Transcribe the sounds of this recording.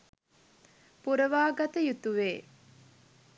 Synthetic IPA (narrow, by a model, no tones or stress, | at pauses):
puɾəʋaːɡɐt̪əjut̪uʋeː